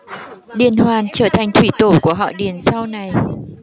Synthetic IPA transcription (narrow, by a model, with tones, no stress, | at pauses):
ɗi˨˩ənhwaː˨˩nt͡ɕəː˧˩t̪ʰa˨˩jŋ̟t̪ʰwi˧˩t̪o˧˩ku˧˩əɦɔ̰˧˨ɗi˨˩ənsa˧wna˨˩j